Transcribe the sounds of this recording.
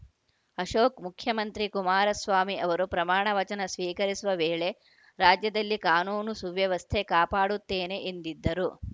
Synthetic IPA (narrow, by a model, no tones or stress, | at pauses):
ɐʃoːkmukʰjɐmɐnt̪ɾikumaːɾɐsʋaːmiʔɐʋɐɾupɾɐmaːɳɐʋɐt͡ʃɐnɐsʋiːkɐɾisuʋɐʋeːɭe̞ | ɾaːd͡ʒjɐd̪ɐlːikaːnuːnusuʋjɐʋɐst̪ʰekaːpaːɽut̪ːeːne̞ʔend̪id̪ːɐɾu